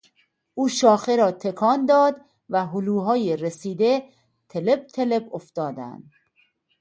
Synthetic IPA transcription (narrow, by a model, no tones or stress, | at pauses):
ʔuːʃɒːxeɾɒːt̪ʰe̞kʰɒːnd̪ɒːd̪ | væɦʊluːɦɒːjeɾesiːd̪e | t̪ʰe̞le̞b̚t̪ʰe̞leboft̪ɒːd̪æ̰nd̪̥